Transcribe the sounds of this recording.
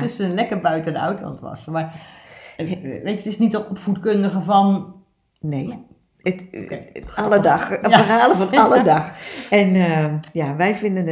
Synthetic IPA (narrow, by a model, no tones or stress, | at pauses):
tʏsənənlɛkərbœɥtədəœ̰ɥtlɑ̰ntʋɑ̰smaːr | ʋejətɪsnitəɔpfutkɵndəɣəvɑn | nej | ət | ɑlədɑxəraːləvɑnɑlədɑxɛnəjaːʋɛjvɪndən